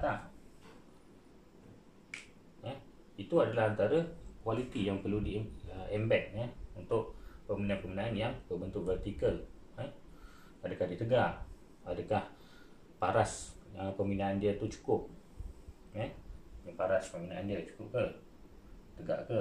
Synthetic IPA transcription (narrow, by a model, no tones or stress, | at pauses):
t̪a | jəh | it̪uadalaɦant̪aɾəkwalit̪ijaŋpəludiəʔɛmbɛk̪̚ɲəhunt̪ʊʔpəminaapəminaanjaŋbəbənt̪ʊʔvɛrt̪ikəl | əh | adəkahdit̪əɡaʔ | adəkah | paɾasəpəmbinaʔandiət̪ut͡ʃu̥kʊp̚ | jəhjaŋpaɾaspəminaʔandiət͡ʃu̥kʊp̚kə | t̪əɡa̰ʔkə